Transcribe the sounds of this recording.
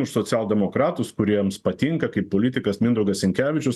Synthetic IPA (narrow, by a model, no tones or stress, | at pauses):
ʊʃsoːt̪sʲæːlˠd̪ʲɛmoːkɾɑːt̪ʊskʊɾʲiɛmspɐt̪ʲiŋkɐkɐɪppːoːlʲɪt̪ʲɪkɐsmʲɪnd̪ɾoʊɡɐsʲɪŋʲkʲæːʋʲɪt͡ʃʲʊs